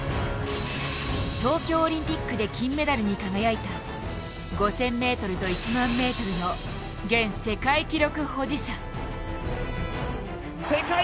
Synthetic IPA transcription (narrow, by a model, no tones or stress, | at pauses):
t̪o̞ːkʲo̞ːɾʲĩmpʲikːɯ̟d̪e̞kʲĩmːe̞d̪aɾɯ̟ɲ̟ikaɡajait̪a | ɡo̞sẽ̞mːe̞ːt̪o̞ɾɯ̟t̪o̞it͡ɕimãmːe̞ːt̪o̞ɾɯ̟no̞ | ɡẽ̞ɰ̃se̞kaikʲiɾo̞kɯ̟ho̞d͡ʑiɕa | seka